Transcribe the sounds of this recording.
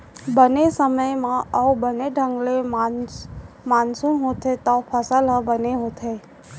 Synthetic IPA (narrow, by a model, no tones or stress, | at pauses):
bənesəməjmãəubəneɖʱə̃ŋɡlem | mansumɦot̪ʰet̪apʰəsəlabəneɦõt̪ʰe